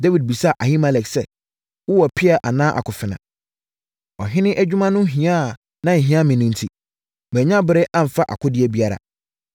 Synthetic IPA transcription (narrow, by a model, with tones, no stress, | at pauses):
da˦wi˨d̚bi˨sa˦˨ʔa˨hi˦ma˨lɛ˨ksɛ˦ | wʊ˦wɔ˨pʰɪ˦a˨ʔa˨nãː˦ʔa̰˨kʰʊ˨fɪ˨nã̰˨ | ɔ˨ɦɪ̃˦nɪ̃˦ʔæ˦d͡ʑᶣu˦mã˦nʊ̃˦ɦĩ˨ã˦˨ | nã˦˨ɦĩ˦ã˦mɪ̃˨nĩ˦n̩˦tʰi˦ | m˨ɛ̃˨ɲã˦bɪ˦ɾɪ˦ʔã˦m̩˨fa˦ʔa̰˨kʰʊ˦dɪ˦ɛ˦bi˦a˦ɾa̰˨